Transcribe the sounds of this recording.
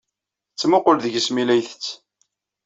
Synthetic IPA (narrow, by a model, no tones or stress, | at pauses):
t͡sːmʊqʊlðəʝəsmilæjθət͡sː